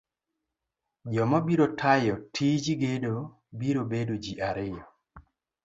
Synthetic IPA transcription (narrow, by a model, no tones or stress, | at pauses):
d͡ʒɔmabiɾotʰajɔtʰid͡ʒiɡedo | biɾobedod͡ʒiʔaɾɪjɔ